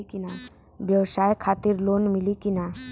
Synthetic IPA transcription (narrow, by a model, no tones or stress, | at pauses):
kina | bjəwsaːjkʰaːt̪iɾloːnmilikina